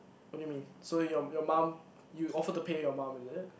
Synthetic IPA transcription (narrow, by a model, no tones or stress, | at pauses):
wɔt̚ːjumĩnsojɔjɔmãm | juɔfətəpʰejɔmãmɛ̃ndɪt̚